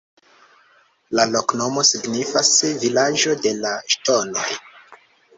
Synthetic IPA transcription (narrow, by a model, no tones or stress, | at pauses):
lalo̞kno̞mo̞siɡnifasvilaʒo̞de̞laʃto̞no̞j